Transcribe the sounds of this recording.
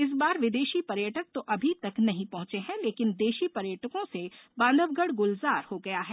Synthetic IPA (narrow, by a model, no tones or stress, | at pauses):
ɪs̬baːɾʋɪd̪eːʃipɐɾjəʈək̚t̪oʔɐbʱit̪ɐknɐɦĩpɐ̃ɦʊ̃t͡ʃeɦɛ̃leːkɪnd̪eːʃipɐɾjəʈəkõsebãːnd̪ʱəʋɡəɽɡʊlzaːɾhoɡɐjaɦɛː